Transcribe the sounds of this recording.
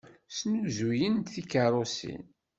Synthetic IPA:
snuzujənt̪θikərˤosḭn

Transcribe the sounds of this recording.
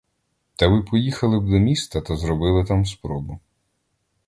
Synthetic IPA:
t̪ɐʋɪpɔjixɐlˠɪb̚d̪ɔmʲist̪ɐt̪ɐzɾɔbɪlˠɪt̪amspɾɔbʊ

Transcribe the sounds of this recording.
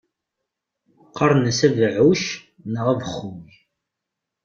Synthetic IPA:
qːɑɾˤnəsævʕuʃ | nəʁævəχːum

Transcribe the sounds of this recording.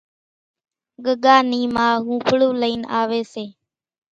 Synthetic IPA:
ɠəɠaːniːmãːɦũːpʰɭuːləiːnaːʋeːseː

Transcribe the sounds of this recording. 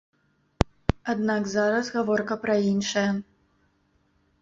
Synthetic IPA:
ad̪naɡzaɾɐsɣavɔrkɐpɾɐinʂɐjɐ

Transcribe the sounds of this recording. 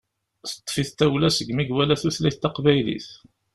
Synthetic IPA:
θə̥t̪ˤːfiθt̪æwlæsəɡmiɡwælæθuθlæθt̪ːɑqvæjlḭθ

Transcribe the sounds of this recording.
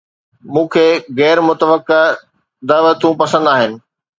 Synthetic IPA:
mũːkʰeːɣɛːɾmʊt̪əʋəkːe | d̪aːʋət̪ũpɐsə̃nd̪aːɦɪnɪ̆

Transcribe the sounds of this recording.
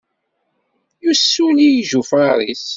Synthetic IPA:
jusːunijʒufaɾˤḭs

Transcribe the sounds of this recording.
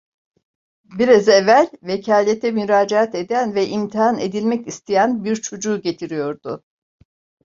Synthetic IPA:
biɾazevælʲvecʰaːlʲet̪ʰɛmyɾaːd͡ʒaat̪ed̪ænvɛʔimt̪ʰiɦane̞̰d̪ilʲmɛcist̪ʰijænbiɾt͡ʃʰo̞d͡ʒuːɟe̞t̪ʰiɾijo̞ɾd̪̥ʊ

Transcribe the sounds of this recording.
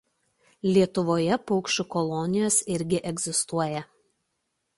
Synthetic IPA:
lʲiɛt̪ʊʋoːjɛpɔʊkʃʲʊkɔlˠɔnʲɪjoːsɪɾʲɡʲɪʔɛɡzʲɪst̪uɔjɛ

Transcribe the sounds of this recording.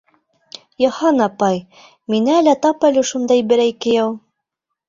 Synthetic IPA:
jɑhɑnɑpɑj | minæːlæt̪ɑpælɘʃund̪ɑjbɘ̆ɾæjkɘ̆jɑw

